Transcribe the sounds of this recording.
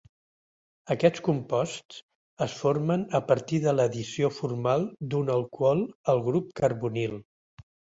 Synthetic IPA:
əkɛt͡skumpɔst͡s | əsfoɾmənəpəɾt̪iðələðisiofurmalˠd̪unəlˠkwɔlˠəlˠɣɾup̚kəɾβunilˠ

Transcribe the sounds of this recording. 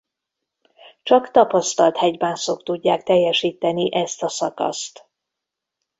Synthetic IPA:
t͡ʃɒkt̪ɒpɒst̪ɒlt̪hɛɟbaːnsokt̪uɟːaːk̚t̪ɛjːɛʃiːt̪ɛniʔɛst̪ɒsɒkɒ̰st̪

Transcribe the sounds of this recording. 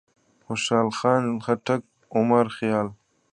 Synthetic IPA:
xʊʃaːlxɑːnxaʈak̚ | ʊmɐɾxjaːl

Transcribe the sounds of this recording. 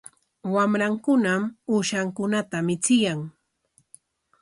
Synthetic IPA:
wamɾaŋkʊnamuʃaŋkʊnat̪amɪt͡sɪjaŋ

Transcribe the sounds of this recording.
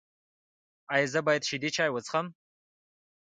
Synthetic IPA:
ajzabaːjɐd̪ʃid̪it͡ʃʰaːjwət͡sχam

